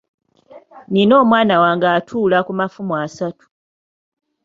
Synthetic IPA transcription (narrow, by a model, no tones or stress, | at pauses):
nino̞ːmwaːnawaːŋɡaːtʰuːlakumafumwasatu̥